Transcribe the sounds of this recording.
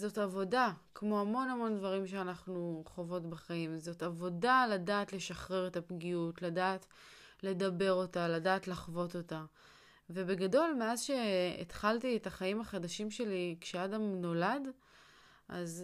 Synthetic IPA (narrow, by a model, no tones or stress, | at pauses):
zo̞tavo̞dakmo̞amo̞namo̞ndvaʁimʃeanaχnuχo̞vo̞tbaχaimzo̞tavo̞daladaːtle̞ʃaχʁeʁetapɡiutladaːt | le̞dabe̞ʁo̞taladaːtlaχvo̞to̞ta | ve̞be̞ɡado̞lme̞azʃe̞ḛtχaltietaχaimhaχadaʃimʃe̞likʃeadamno̞lad | ʔa̰z